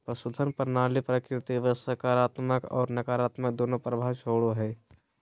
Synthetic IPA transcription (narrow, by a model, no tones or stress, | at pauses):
pɾəsʊd̪ʱənpəɾnaːlipɾəkɾɪt̪iʋəsəkaːɾaːt̪məkɔ̰ːɾnɐkaːɾaːt̪mək̚d̪oːnõpɾəbʱaːt͡ʃʰoːɽoɦɛː